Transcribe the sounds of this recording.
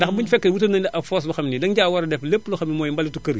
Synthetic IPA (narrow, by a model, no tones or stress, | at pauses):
dɐxbuɲfɛkːɐwutɐnɐnʔɐfoːs̬bɐxɐmnidɐŋɟaːwɐɾɐdɛflepːluxɐmimɔːjmbɐlitukɐɾi